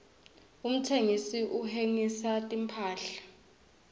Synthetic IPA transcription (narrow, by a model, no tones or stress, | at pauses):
um̩tʰeŋisiʔuɦeŋisatʼimpʰaːɬḁ